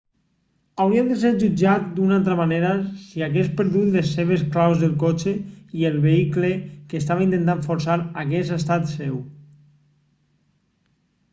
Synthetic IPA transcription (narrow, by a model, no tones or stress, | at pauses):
awɾiad̪eseɾʒud͡ʒat̪̚d̪unalˠt̪̬ɾamaneɾasiaɣespeɾðut̪lesːeβ̞esklawzðelˠkot͡ʃeielˠβeiklekeːst̪aβaint̪ent̪̬aɱfoɾsaɾaɣɛsest̪at̪sew